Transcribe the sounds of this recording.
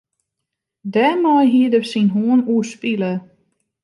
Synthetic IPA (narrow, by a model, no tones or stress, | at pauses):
dɛmajɦiədərsinɦuənuəspilə